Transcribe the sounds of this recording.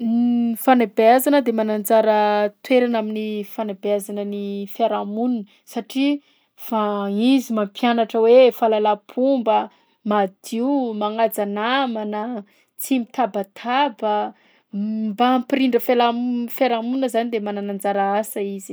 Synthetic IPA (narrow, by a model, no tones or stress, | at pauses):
nfanabazanəd̪emanand͡zaɾət̪weɾanaminifanabeazanənifaɾamunə | saʈ͡ʂi | faizimampjanaʈ͡ʂəwefalalapʰumbə | mad̪̥iumaŋad͡zanamanə | t͡simit̪abat̪ʰabə | mbampiɾiɳɖ͡ʐəfelamfeɾamunəzanid̪emananand͡zaɾaasəizi̥